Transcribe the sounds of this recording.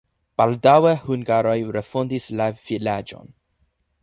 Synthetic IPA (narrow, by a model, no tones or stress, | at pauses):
b̥aldawehuŋɡaɾo̞jɾefondislav̥ilad͡ʒo̞̰n